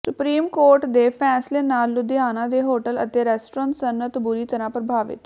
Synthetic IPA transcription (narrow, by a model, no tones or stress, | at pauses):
sʊpɾiːmkoːɾʈd̪eːpʰɛːsleːnaːlʊd̪ɪjaːnãːd̪eːɦoːʈələ̰t̪eːɾɛːsʈɾãːnsənət̪bʊɾiːt̪əɾãːpɾəbʱaːʋɪ̰t̪